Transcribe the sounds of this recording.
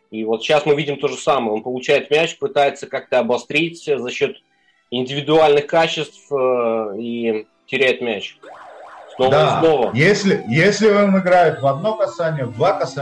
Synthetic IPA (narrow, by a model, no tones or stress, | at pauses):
ivo̞t̪ɕːasmɨvʲidʲɪmt̪o̞ʐɨsaməjəo̞npəlˠʊt͡ɕæjɪt̪mʲæt͡ɕpɨt̪ajɪt̪səkak̚t̪əɐbɐst̪ɾʲitʲːzɐɕːo̞t̪ | ɪnʲdʲɪvʲɪd̪ʊalʲnɨxkat͡ɕɪst̪fəi | tʲɪɾʲætʲmʲæt͡ɕ | snovd̪əasnˠo̞vəjesʲlʲɪjesʲlʲɪonɨɡɾajɪt̪vɐd̪no̞kɐsanʲɪjəvd̪vakɐsa